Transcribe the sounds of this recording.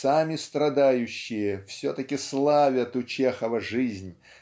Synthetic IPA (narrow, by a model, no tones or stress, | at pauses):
samʲɪst̪ɾɐd̪ajʉɕːɪjəfsʲot̪əkʲɪslˠavʲət̪ʊt͡ɕexəvəʐɨzʲnʲ